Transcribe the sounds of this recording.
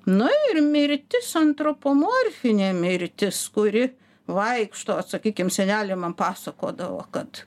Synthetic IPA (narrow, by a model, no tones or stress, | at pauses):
nʊɪrmʲɪɾʲt̪ʲɪsɐnt̪ɾoːpoːmoːrʲfʲɪnʲeːmʲɪɾʲt̪ʲɪskʊɾʲɪ | ʋɐɪkʃt̪oːɐt̪sɐkʲiːkʲɪmsʲɛnʲæːlʲɪmɐmpɑːsɐko̰ːd̪ɐʋo̰kɐt̪